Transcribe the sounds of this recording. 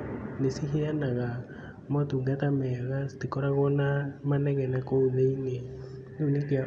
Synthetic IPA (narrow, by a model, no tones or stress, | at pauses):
nesiɦeanaɣa | mɔtuŋɡatamɛɣastekɔɾaɣɔnamanɛɣɛnakouðeine | nounekea